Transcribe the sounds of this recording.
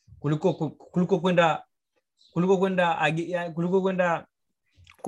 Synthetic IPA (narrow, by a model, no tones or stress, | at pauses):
kulikɔkkulikɔk̬wɛnda | kulikɔk̬wɛndaaɡijakulikɔkwɛnda | k